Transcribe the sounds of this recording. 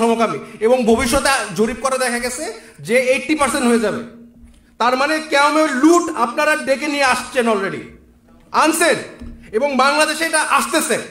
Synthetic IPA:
ɔmokamieboŋbʱobiʃ̬ːɔt̪ed͡ʑoɾip̚koɾed̪ɛkʰaɡɛt͡ɕʰe | d͡ʑeeʈːipaɾseɳʈɦoed͡ʑabḛ | t̪aɾmanekɛomeluʈapnaɾaɖekenijeaʃt͡ɕʰenɔlɾeɖḭ | ansʰeneboŋbaŋlad̪eʃeʈaʔaʃt̪et͡ɕʰen

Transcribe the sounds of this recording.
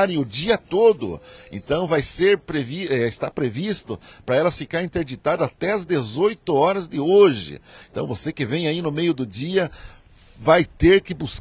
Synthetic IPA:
ɾẽj̃ʊd͡ʒiɐt̪od̪ʊ̰ḛ̃nt̪ɐ̃w̃vajseɾpɾeviɛɪst̪apɾevist̪ʊpɾɐɛlɐsfikaɾĩnt̪eɾd͡ʒit̪ad̪ʊat̪ɛɐzd̪ezojt̪ʊɔɾɐzd̪ɪoʒɪ̰ẽt̪ɐ̃w̃vosekɪvẽj̃ainʊmejʊd̪ʊd͡ʒiɐ | vajt̪eɾkɪbus

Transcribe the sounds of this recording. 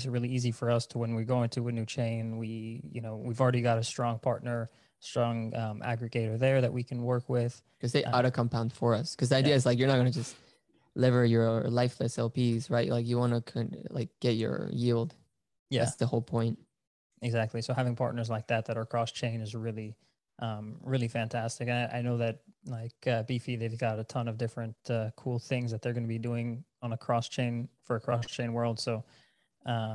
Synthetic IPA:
sɹɪlˠiizifə˞ʌstʰəwə̃nwiɹɡoʊɪ̃ŋtʰɨɨnʉt͡ʃʰẽɪ̃nwijɨ̰noʊwivl̩ˠɹɛɾiɡɑɾɨstɹ̥ɔ̃ŋpʰɑɹtⁿnə˞ | stɹ̥ɔ̃ŋʌ̃mʔæ̰ɡɹɨɡeɪɾə˞ðə˞ðɨ̰ʔwikʰn̩wɜ˞kwɪð̥ | kʰʌzðeɪʔɑɾokʰɑ̃mpʰãʊ̃nd̥fə˞ʌskʰʌzðiaɪdiɨɨzlaɪkjə˞nət̚ɡʌnɨd͡ʒʌst | lɪvə˞jə˞laɪflɨsɛlˠpizɹaɪʔlaɪkjɨwɑnɨkʰʌ̃la̰ɪk̚ɡ̥ɛt͡ʃə̰˞jilˠd̥ | jææ̰tsðəhoʊlˠpʰɔ̃ɪ̃nt̚ | ɨɡzæk̚tˡlisoʊhævɪ̃ŋpʰɑ̰ɹtⁿnə˞zlaɪk̚ðɨt̪̚ðɨɾə˞kʰɹ̥ɔst͡ʃʰẽɪ̃nɨzɹɪlˠi | ʔʌ̃mɹɪlˠifæ̃ntʰæstɨkɨ̃naɪʔa̰ɪnoʊðɨt̚laɪkʌbifiðeɪvɡɑɾɨtʰʌ̃nʌvdɪfɹɨ̃ntʌkʰulˠθɪ̃ŋzðɨt̪̚ðə˞ɡʌnɨbiduɪ̃ŋə̃nəkʰɹ̥ɔst͡ʃʰẽɪ̃nfə˞ɨkʰɹ̥ɔst͡ʃʰẽɪ̃nwɜ˞lˠd̥soʊ | ʔʌ

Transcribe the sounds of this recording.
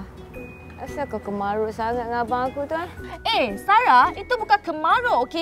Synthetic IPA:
a̰sakakəmaɾoʔsaŋat̚ŋabãŋakut̪uaesaɾait̪ubukankəmaɾoʔoke

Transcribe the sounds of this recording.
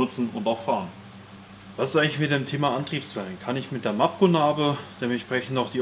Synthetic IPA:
ʊt͡sn̩ʊntaʊxfaːʁən | v̥asɪsaɪŋlɪçmɪt̚deːmtʰeːmaʔantʁ̥iːpsfɛlənkʰanɪçmɪt̚d̥eːɐmap̚kunaːbəd̥eːmɛntʃpʁ̥ɛçn̩tnɔʊd̥iː

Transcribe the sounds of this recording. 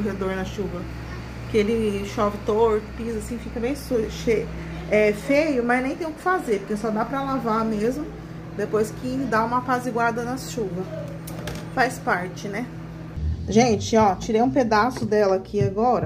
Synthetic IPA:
oɦed̪oɾnɐʃuvɐ | kɪelɪʃɔvɪt̪oɾt̪ʊ̥pizasĩfikɐbẽj̃suʃe | ɛfejʊmɐznẽj̃t̪ẽj̃ʊkɪ̥fazeɾpʊɾkesɔd̪apɾɐlavamezmʊ | d̪epojskɪd̪aũmɐpazɪɡwaɾd̪ɐnɐsʃuvɐ | fajspaɾt͡ʃɪnɛ | ʒẽt͡ʃɪɔt͡ʃiɾejũped̪asʊd̪ɛlɐkʰiaɡɔɾɐ

